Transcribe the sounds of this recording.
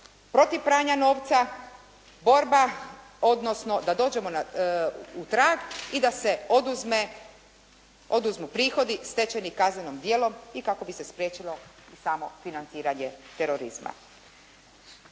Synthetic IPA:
pɾo̞t̪iʋpɾaːɲano̞ːʋt̪sa | bo̞ɾba | o̞d̪no̞sno̞d̪ad̪o̞ːd͡ʑe̞mona | ut̪ɾaːɡid̪ased̪uzme | o̞d̪uzmupɾiːxo̞d̪ist̪et͡ɕenikazne̞nomd̪jeːlo̞mikako̞bise̞spɾjet͡ʃilo̞ | isaːmo̞finant̪siːɾaɲet̪eɾo̞ɾḭz̥ma̰

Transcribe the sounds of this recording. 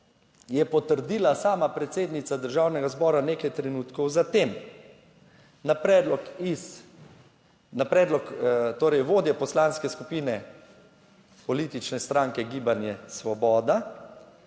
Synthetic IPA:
jɛpɔt̪əɾd̪iːlasaːmapɾɛt̪seːd̪nit̪sad̪əɾʒawnɛɡazbɔːɾanekajt̪ɾɛnuːt̪kɔwzat̪eːm | napɾɛd̪lɔkis | napɾɛːd̪lɔkt̪oːɾɛjʋoːd̪jɛpɔslaːnskɛskupiːnɛ | pɔliːt̪it͡ʃnɛst̪ɾãŋkɛɡiːbanjɛsʋɔbɔːd̪a

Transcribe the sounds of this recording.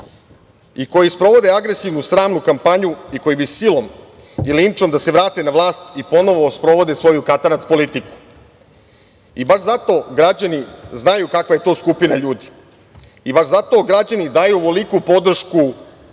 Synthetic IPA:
iko̞jispɾo̞ʋo̞d̪e̞aɡɾe̞siʋnusɾaːmnukampaɲuiko̞jibisilˠo̞m | ilint͡ʃo̞md̪ase̞ʋɾaːt̪enaʋlˠaːst̪ipo̞no̞ʋo̞spɾo̞ʋo̞d̪e̞sʋo̞jukat̪anat̪spo̞lit̪iku̥ | ibaʃzat̪o̞ɡɾad͡ʑaniznajukakʋaje̞t̪o̞ːskupinaʎuːd̪i̥ | ibaʒzat̪o̞ɡɾad͡ʑanid̪aːjuoʋo̞likupo̞d̪r̩ʃku

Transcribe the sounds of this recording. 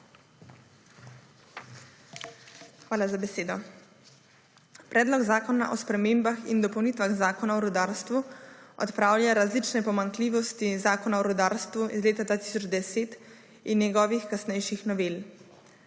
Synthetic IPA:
xʋaːlazabɛseːd̪ɔ | pɾɛːd̪lɔɡzaːkɔna̰ʔɔspɾɛmeːmbaxind̪ɔpɔwnit̪ʋaɣzaːkɔnaɔɾud̪aːɾst̪ʋuɔ̰t̪pɾaːwljaɾazlit͡ʃnɛpɔmaŋkliːʋɔst̪izaːkɔnaɔɾud̪aːɾst̪ʋuizleːt̪ad̪ʋaːt̪i̥sɔd͡ʒd̪ɛseːt̪ | injɛɡɔːʋixkasnɛjʃixnɔʋel

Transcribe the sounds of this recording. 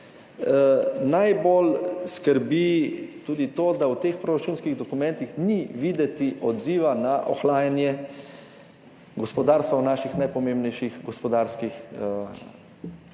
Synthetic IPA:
najbolskəɾbit̪uːd̪it̪oːd̪awt̪eːxpɾoɾat͡ʃuːnskiɣd̪ɔkumɛ̃nt̪ixniʋiːd̪ɛt̪iʔɔd̪ziːʋanaʔɔ̰xlaːjanjɛ | ɡɔspɔd̪aːɾst̪ʋawnaʃixnajpɔmeːmbnɛjʃixɡɔspɔd̪aɾskix

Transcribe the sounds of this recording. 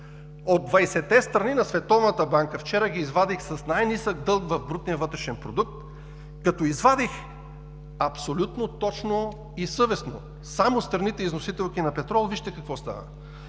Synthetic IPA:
od̪̚ːvɐjsɛt̪ːɛst̪ɾɐninɐsvɛt̪ɔvnət̪əbaŋkəft͡ʃɛɾəɡiːzvad̪ixsɐsnajnisək̚d̪ɤlˠkvɐvbɾut̪nijəvɤt̪ɾɛʃɛnpɾod̪uk̚t̪ | kɐt̪oizvad̪ix | ɐpsolʲut̪not̪ɔt͡ʃno | isɤvɛsno̰ | samost̪ɾɐnit̪ɛiznosit̪ɛlˠkinɐpɛt̪ɾɔlˠviʃt̪ɛkɐkvɔst̪a̰və̰

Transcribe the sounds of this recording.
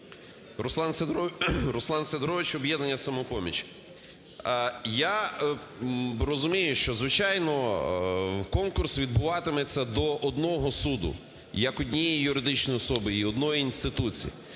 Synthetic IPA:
ɾʊslˠɑns | ɾʊslˠɑnsed̪ɾɔʋɪt͡ʃɔbjɛd̪nenʲːɐsɐmɔpɔmʲḭt͡ʃ | ja | ɾɔzʊmʲijʊʃt͡ʃɔzʋɪt͡ʃajnɔ | kɔnkʊrsʋʲid̪bʊʋɑt̪ɪmɛt͡sʲːɐd̪ɔʔɔd̪nɔɦɔsud̪ʊ̰ | jɐkɔdʲnʲijijʊɾɪd̪ɪt͡ʃnɔjiɔsɔbɪiɔd̪nɔjiːnst̪ɪt̪ut͡sʲḭjḭ

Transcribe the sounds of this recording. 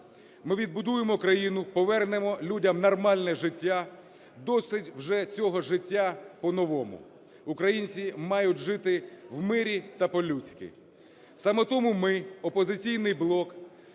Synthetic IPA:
mɪʋʲid̪bʊd̪ujemɔkɾɐjinʊpɔʋɛrnemɔlʲudʲɐmnɐrmɑlʲnɛʒɪtʲːa | d̪ɔsɪtʲwʒɛt͡sʲɔɦɔʒɪtʲːapɔnɔʋɔmʊ̰ | ʊkɾɐjinʲt͡ssʲimɑjʊtʲʒɪt̪ɪwmɪɾʲit̪ɐpɔlʲut͡sʲkʲḭ | sɑmɛt̪ɔmumɪɔpɔzɪt͡sʲijn̪ɪjblˠɔk

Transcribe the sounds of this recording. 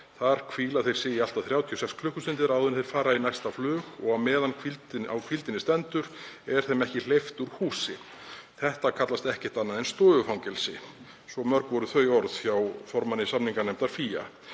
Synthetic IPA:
θaɾ̥kʰviːlaθejɾ̥sɪɪalt̪aðθɾjaːwt̪ʰiɔsɛkskʰlʏhkːʏsɪnt̪ɪɾawðʏnθejɾ̥faːɾainajst̪aflʏːxɔɣamɛːðankʰvilt̪awkʰilt̪ɪnɪst̪ɛnt̪ʏɾɛɾ̥θɛmɛhcɪl̥ejft̪uɾ̥huːsɪ | θɛht̪akʰat̪last̪ɛhcɛht̪anːaðɛnst̪ɔːðʏfawŋcɛlsɪ | svɔmœɾkvɔɾʏθœjɔɾðfjawfɔɾmanɪsamniŋkanɛm̥t̪aɾ̥fiːja̰

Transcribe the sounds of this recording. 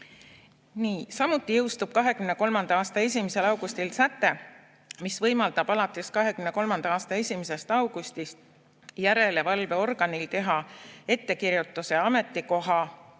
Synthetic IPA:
niːsɑmut̪ːˑijɤwst̪ub̥̚kɑɦe̞kymne̞ko̞lmɑnd̪ɑɑːst̪ɑe̞s̬ʲimese̞lɑwɡ̥ust̪ilsæt̪ːˑe̞ | misvɤjmɑld̪ɑb̥ɑlɑt̪ːˑeskɑɦe̞kymne̞ko̞lmɑnd̪̥ɑɑːst̪ɑe̞sʲimese̞st̪ɑwɡ̥ust̪ist̪ | jæɾe̞levɑlve̞o̞rɡ̥ɑnilt̪e̞ɦɑe̞t̪ːe̞kiɾjut̪ːˑuse̞ɑme̞t̪ːˑiko̞ɦɑ

